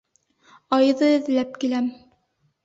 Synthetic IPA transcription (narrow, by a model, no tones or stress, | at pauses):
ɑjɤðɤɘ̆ðlæp̚kilæm